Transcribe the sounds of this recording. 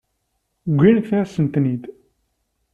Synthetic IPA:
ɡʷːinəkθæsənt̪nid̪

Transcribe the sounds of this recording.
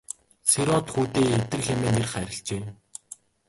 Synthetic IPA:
seɾɔt̪xuːt̪eːet̪ɘ̆rxemeːnerχæɾʲɪ̆ɬt͡ɕeː

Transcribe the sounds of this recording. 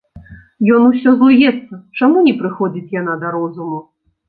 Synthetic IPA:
jɔnusʲɔzlˠujɛt̪sːɐt͡ʂamunʲɛpɾɨxɔd͡zʲit͡sʲjan̪ad̪ɐɾɔzumu

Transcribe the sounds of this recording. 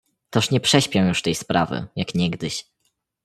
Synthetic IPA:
t̪ɔʂɲɛpʂɛɕpʲjɛwjuʂt̪ɛjspɾʔa̰vɘ̰jakɲɛɡd̪ɘɕ

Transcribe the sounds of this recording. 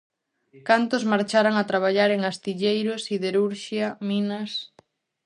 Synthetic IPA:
kant̪ʊzmaɾt͡ʃaɾaŋat̪ɾaβ̞aʎaɾeŋast̪iʎejɾʊsiðeɾuɾʃjɐminɐs

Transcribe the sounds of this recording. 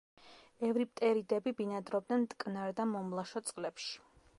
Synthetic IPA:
ɛvɾip̚ʼt̪ʼɛɾid̪ɛbibinad̪ɾɔb̚d̪nɛnt̪ʼkʼnaɾd̪amɔmlˠaʃɔt̪sʼqʼlɛpʃi̥

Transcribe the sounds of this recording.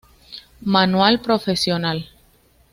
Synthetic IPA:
manwalpɾofesjonal

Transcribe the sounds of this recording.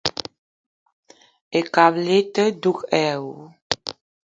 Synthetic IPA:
ekaβlet̪əd̪ukɛw

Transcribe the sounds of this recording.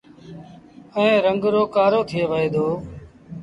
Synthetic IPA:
əẽːɾəŋɡɾoːkaːɾoːt̪ʰɪjeːʋəeːd̪oː

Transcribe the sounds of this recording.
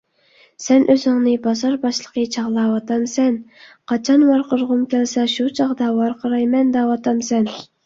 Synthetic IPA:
sɛnʔøzɪŋnɪbɑzɑɾbɑʃlˠəqʰət͡ʃʰɑʁlˠɑwɑt̪ʰɑmsɛnqʰɑt͡ʃʰɑnwɑɾqəɾʁʊmkʲælsɛʃut͡ʃʰɑχd̪ɑwɑɾqʰəɾɑjmɛnd̪ɑwɑt̪ʰɑmsɛn

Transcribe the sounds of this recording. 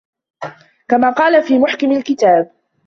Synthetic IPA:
kamaːqɑːlafiːmʊħkɪmalkɪt̪aːb

